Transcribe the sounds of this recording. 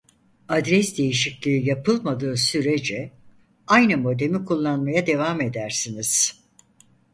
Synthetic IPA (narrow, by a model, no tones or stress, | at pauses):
ad̪ɾɛsd̪e̞jiʃiclʲiijapʰɯlˠmad̪ɯːsyɾed͡ʒɛ | ajnɯmo̞d̪e̞mikʰulˠːanmajad̪e̞vaːme̞d̪æɾsiniz̥